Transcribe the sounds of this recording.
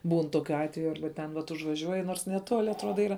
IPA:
ˈbuːn ˈtoːˌkʲʊ ˈɑːtʲʋʲɛjʊ ˈɐrbɐ ˈtʲɛn ʋɐt ʊʒʋɐˈʒʲuɔjɪ noːrs nʲɛˈtoːlʲɪ ɐtˈruɔdɐ ˈiːrɐ

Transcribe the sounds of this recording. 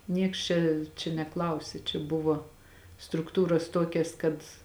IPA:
ˈnʲiɛks t͡ʃʲɛ t͡ʃʲɛ nʲɛˈklˠɐʊsʲeː t͡ʃʲɛ ˈbʊʋoː strʊkˈtuːrɐs ˈtuɔkʲɛs kɐt

